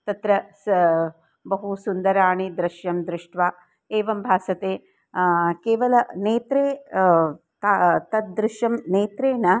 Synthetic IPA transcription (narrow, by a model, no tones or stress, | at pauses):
t̪ɐt̪ɾɐ | bɐɦusund̪ɐɾaːɳid̪ɾɪʃjɐmd̪ɾɪʂʈʋaː | eːʋɐmbʱaːsɐt̪eː | keːʋɐlɐneːt̪ɾeː | t̪at̪ɐt̪̚d̪ɾɪʃjɐmneːt̪ɾeːnɐ